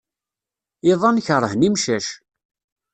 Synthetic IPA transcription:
ɪðˤɑnçəɾˤːəhnimʃæʃ

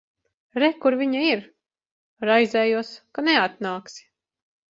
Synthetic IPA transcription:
ɾɛkuɾviɲaiɾ | ɾajzʲɛːjuɔskanɛat̪̚naːksi̥

